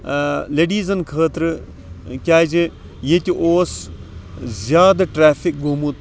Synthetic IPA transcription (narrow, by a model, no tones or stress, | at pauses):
leɖiːzɐnkʰəːt̪ɾɨ | kʲaːd͡ʒi | jet̪ʲiʔoːs | zʲjaːd̪ɐʈɾaːfʰik̚ɡoːmut̪